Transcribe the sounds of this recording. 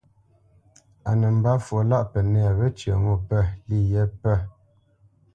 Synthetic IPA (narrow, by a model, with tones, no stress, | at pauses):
a˨nɛ˨m̩˨ba˦fo˨˦la˦ʔpɛ˨nɛ˦˨βɛ˦t͡ʃə̰˨ŋu˦˨pɛ˦˨li˦˨jɛ˦pɛ˦˨